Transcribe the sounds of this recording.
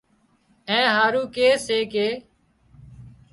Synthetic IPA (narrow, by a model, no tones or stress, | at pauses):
ẽːɦaːɾuːkeːseːkeː